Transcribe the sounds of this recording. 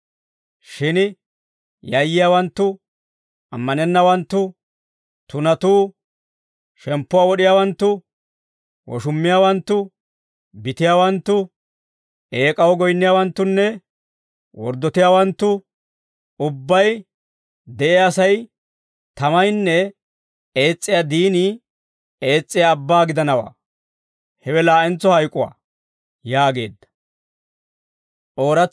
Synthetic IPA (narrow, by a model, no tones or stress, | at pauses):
ʃɪn | jɐjːɪjaːwɐnt̪ːʊ | ʔɐ̰mːɐnɛnːɐwɐnt̪ːʊ | t̪ʊnɐt̪uː | ʃɛmpːʊwaːwɔɗɪjaːwɐnt̪ːʊ | wɔ̰ʃʊmːɪjaːwɐnt̪ːʊ | bɪt̪ɪjaːwɐnt̪ːʊ | ʔeːkʼɐwɔɡɔjnːɪjaːwɐnt̪ːʊnːɛ | wɔ̰ɾd̪ːɔt̪ɪjaːwɐnt̪ːʊ | ʊbːɐj | d̪ɛʔɛːsɐj | t̪ɐmɐjnːɛ | e̞ːt͡sʼːɪjad̪iːni | e̞ːt͡sʼːɪjaːbːaːɡɪd̪ɐnɐwa̰ː | hɛwɛlaːʔɪnt͡sːɔhɐjkʼːʊwa̰ː | jaːɡe̞̰ːd̪ːɐ̥ | ʔo̞ːɾɐ